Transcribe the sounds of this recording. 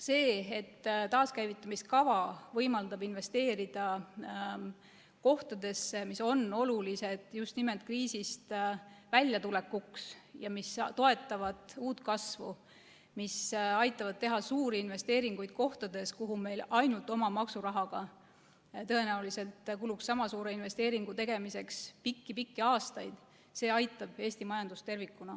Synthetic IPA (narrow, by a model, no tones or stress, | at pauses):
se̞ːet̪ːt̪ɑːskæjvit̪ːˑɑmiskɑvɑvɤjmɑld̪̥ɑbinve̞st̪e̞ːɾid̪̥ɑ | ko̞ht̪ɑd̪̥e̞sːemiso̞no̞lulise̞d̪̥just̪nime̞lt̪̚ˑkriːsist̪vælʲjɑt̪ule̞kːuksjɑmist̪o̞e̞t̪ːˑɑvɑd̪̥uːt̪kɑsvṵ | misɑjt̪ːˑɑvɑd̪̚t̪e̞ɦɑsuːɾiinve̞st̪e̞ːɾiŋɡ̥ujd̪̥ko̞ht̪ɑd̪̥e̞skuɦume̞jlɑjnult̪ˑo̞mɑmɑksuɾɑɦɑɡ̥ɑ | t̪ɤ̞e̞næulise̞lt̪kuluksːɑmɑsuːɾe̞inve̞st̪e̞ːɾiŋɡ̥ut̪e̞ɡ̥e̞mise̞kspikːipikːiɑːst̪ɑjd̪̥ | se̞ːɑjt̪ːˑɑb̥e̞ːst̪imɑjɑnd̪ust̪e̞rvikːˑunɑ